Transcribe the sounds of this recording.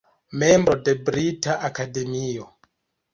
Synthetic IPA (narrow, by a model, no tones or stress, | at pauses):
membɾodebɾitaʔakademio